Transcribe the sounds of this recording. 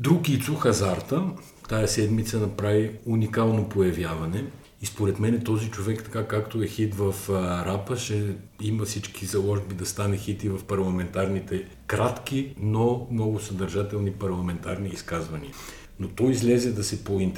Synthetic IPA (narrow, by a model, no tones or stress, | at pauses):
d̪ɾuɡit̪suxɐzaɾt̪ə | t̪ajɐsɛd̪mit̪sənɐpɾaviunikalˠnopojɐvjavɐnɛ | ispoɾɛt̪mɛnɛt̪ɔzit͡ʃovɛkt̪ɐ̥kakːakt̪oɛxit̪vɐfɾapəʃɛimɐfsit͡ʃkʰizɐlˠɔʒbid̪ɐst̪anɛxit̪ivɐfpɐɾlˠɐmɛnt̪aɾnit̪ɛ | kɾat̪kinomnɔɡʊsɐd̪ɐɾʒat̪ɛlˠnipɐɾlˠɐmɛnt̪aɾniːskazvɐnḭə | not̪ɔizlʲɛzɛd̪ɐsɛpoint̪